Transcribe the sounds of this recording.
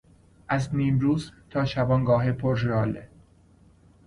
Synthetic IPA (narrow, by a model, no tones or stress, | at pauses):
ʔæzniːmɾuːzt̪ʰɒːʃæbɒːŋɡɒːɦepʰoɾrɒːlḛ